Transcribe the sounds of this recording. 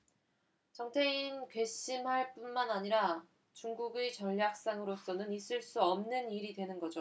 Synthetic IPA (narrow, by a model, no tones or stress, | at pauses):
t͡ɕʌŋtʰe̞inkwe̞ɕ͈imɦaɭp͈unmanaɲiɾa | t͡ɕuŋɡuɡet͡ɕʌʎːjak̚s͈aŋɯɾos͈ʌnɯnis͈ɯɭs͈uʌmnɯniɾidwe̞nɯnɡʌd͡ʑo